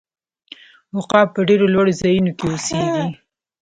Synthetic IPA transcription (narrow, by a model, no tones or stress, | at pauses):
wʊqɑpːəɖeɾolwaɽozɑjunokeoseɡi